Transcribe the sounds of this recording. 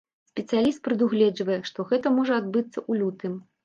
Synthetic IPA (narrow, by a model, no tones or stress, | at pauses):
sʲpʲɛt̪sɨjalʲist̪̚pɾɨd̪uɣlʲɛd͡ʐvɐjɛʂt̪ɔɣɛt̪ɐmɔʐɐad̪̚bɨt̪sːɐʔulʲut̪ɨm